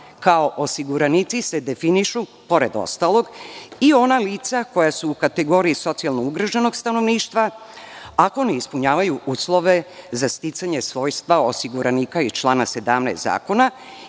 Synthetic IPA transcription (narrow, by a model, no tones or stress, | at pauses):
kao̞ʔosiɡuɾanit̪sise̞d̪e̞finiʃu | po̞ɾe̞d̪o̰st̪alo̞ɡio̞naliːt̪sako̞jasuːkat̪e̞ɡo̞ɾiiso̞t̪sialno̞uɡɾaʒeno̞ɡst̪anoʋniːʃt̪ʋa | ako̞neispuɲaːʋajuʔuːslˠo̞ʋe̞zast̪it̪saɲe̞sʋo̞ːjst̪ʋaosiɡuɾaniːkait͡ʃlˠaːnase̞d̪a̰mnesa̰ːko̞na